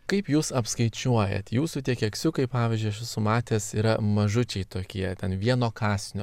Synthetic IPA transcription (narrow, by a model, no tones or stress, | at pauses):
kɐɪpjuːsɐpskɐɪt͡ʃʲuɔjɛ̰t̪ʲjuːsut̪ʲiɛkʲɛksʲʊkɐɪpɑːʋʲizʲd͡ʒʲʊɪʃʲʋʲɪsʊmɑːt̪ʲeːsiːɾɐmɐʒʊt͡ʃʲɛɪt̪oːkʲiɛt̪ʲɛnʋʲiɛnoːkɑːsʲnʲoː